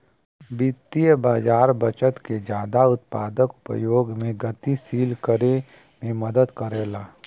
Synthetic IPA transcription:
bɪt̪ijəbaːd͡ʒaːɾbɐt͡ʃət̪ked͡ʒjaːd̪aʊt̪pa̰ːd̪əkʊ̥pə̰joːɡmẽɡɐt̪isiːlkəɾe | mẽməd̪əd̪kəɾeːlaː

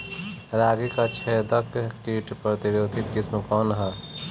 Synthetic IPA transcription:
ɾaːɡikat͡ʃʰɛːd̪əkkiʈpɾət̪iɾoːd̪ʱɪt̪̚kɪsməkɔːnɦɛ

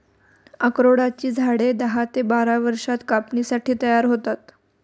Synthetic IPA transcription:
əkɾoɽat͡ɕiːd͡zʱaɽed̪əɦat̪ebaɾaʋəɾʂat̪kapnisaʈʰiːt̪əjaɾɦot̪at̪

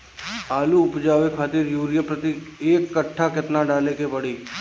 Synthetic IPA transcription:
aːluʊpd͡ʒaːʋekʰaːt̪ɪɾjuːɾɪjəpɾət̪ieːkːəʈʰːakɪt̪naɖaːlekepɐɽiː

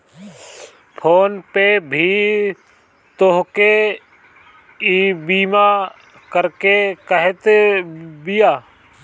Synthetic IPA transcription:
pʰoːnpeːbʱiː | t̪oɦke | iːbiːmaː | kəɾkekəɦet̪ | bijaː

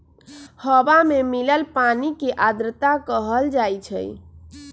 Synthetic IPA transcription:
həbamemiləlpanikeʔad̪ɾət̪akəɦəld͡ʒajt͡ʃʰə̰j

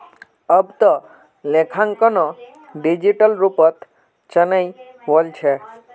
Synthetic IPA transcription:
əbt̪ɔ | lekʰaŋkɔnɔ | ɖid͡ʑiʈəlɾupɔt̪ | t͡ʃənəjbolt͡ɕʰe

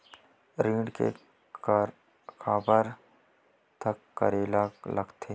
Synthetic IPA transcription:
ɾĩːɳkḛ | kʰaːbəɾ | t̪ʰɐkːə̰ɾeːlaklɐɡt̪ʰeː

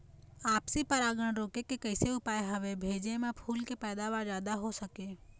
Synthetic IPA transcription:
aːpsipɐɾaːɡəɽ̃ɾoːkekekɐɪseʊpaːeɦɐʋebʱeːd͡ʒemẽpʰuːlkepɛːd̪aʋaːɾd͡ʒjaːd̪aɦosɐkeː

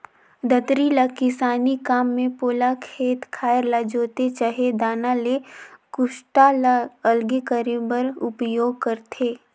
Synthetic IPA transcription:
d̪ət̪ɾilakɪsaːnikaːmːẽpoːlakʰeːt̪kʰaːəɾlad͡ʒoːt̪et͡ʃaːɦed̪aːnalekʊʃʈaəlɡekəɾebəɾʊpjoːɡ̚kəɾt̪ʰeː

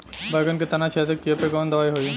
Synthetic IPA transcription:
bɐɡənket̪ɐnat͡ʃʰeːt̪əkːijepekɔːnd̪ɐʋaːiɦoːi

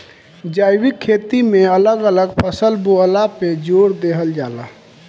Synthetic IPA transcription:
d͡ʒaːjwɪkʰːeːt̪imẽələɡələɡpʰəsəlbuɦəlaped͡ʒoːɾd̪eɦəld͡ʒaːla̰

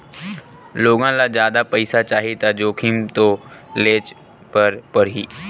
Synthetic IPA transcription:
loːɡãlad͡ʒjaːd̪apəɪsat͡ʃaːɦet̪ad͡ʒoːkʰimt̪oleːt͡ʃ | pəɾpəɾɦiː

